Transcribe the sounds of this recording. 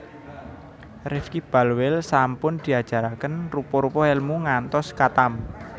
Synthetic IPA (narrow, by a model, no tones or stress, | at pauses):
rɪfkib̥a̤lwɪlsampʊnd̪̥i̤ad̥ʒ̥a̤ɾakənrupɔɾupɔɛlmuŋant̪ɔskat̪am